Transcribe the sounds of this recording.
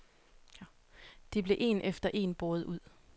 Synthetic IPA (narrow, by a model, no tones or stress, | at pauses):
d̥e̝b̥le̝ʔe̝̰nʔefd̥ɐʔe̝̰ːnb̥o̝ːð̞̩ˠuð̞̰ˠ